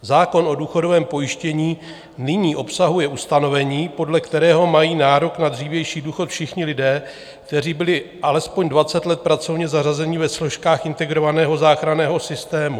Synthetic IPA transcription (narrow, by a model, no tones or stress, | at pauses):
zaːko̞nʔo̞duːxo̞do̞vɛːmpo̞jɪʃcɛɲiː | nɪɲiːʔo̞psaɦujɛʔust̪ano̞vɛɲiːpo̞dlɛkt̪ɛɾɛːɦo̞majiːnaːɾo̞knadriːvjɛjʃiːduːxo̞t̪fʃɪxɲɪlɪdɛː | k̚t̪ɛr̝iːbɪlɪʔalɛspo̞ɲdvat͡sɛt̪lɛt̪̚pɾat͡sovɲɛzarazɛɲɪvɛslo̞ʃkaːxʔɪnt̪ɛɡɾo̞vanɛːɦo̞zaːxɾanɛːɦo̞sɪst̪ɛːmu